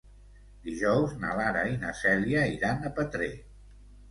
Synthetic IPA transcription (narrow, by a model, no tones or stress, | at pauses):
d̪iʒɔwzna̰laɾainəsɛliaiɾanəpət̪ɾe